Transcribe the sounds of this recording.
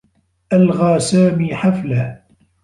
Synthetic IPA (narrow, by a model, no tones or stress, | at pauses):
ʔalɣaːsaːmiːħaflah